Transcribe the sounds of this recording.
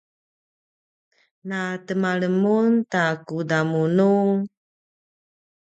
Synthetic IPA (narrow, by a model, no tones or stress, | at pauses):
natəmaɭəmuntakudamunu